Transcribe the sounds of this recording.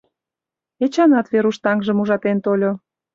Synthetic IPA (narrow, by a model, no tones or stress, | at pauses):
et͡ɕɑnɑt̪βeɾuʃt̪ɑŋʒə̆muʒɑt̪ent̪olʲo